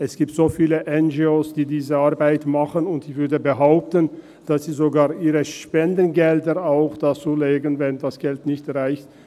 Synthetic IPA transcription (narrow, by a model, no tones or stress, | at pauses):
ʔɛsɡ̥iːp̚tz̥oːfiːləʔɛnd͡ʒioːsd̥iːdiːzəaɐbaɪtmaχənʊntɪçv̥ʏɐdəbəɦaʊp̚tən | d̥asz̥iːzoɡaːɐʔiːʁəʃpɛndənɡɛldəʁaʊxd̥at͡suːleːɡənvɛndasɡ̥ɛltnɪçtʁaɪçt